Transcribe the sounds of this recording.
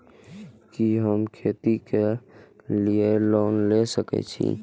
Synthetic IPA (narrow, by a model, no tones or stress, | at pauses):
kiɦəmkʰeːt̪ike | lieloːnlesəkɛ̰t͡ʃʰḭ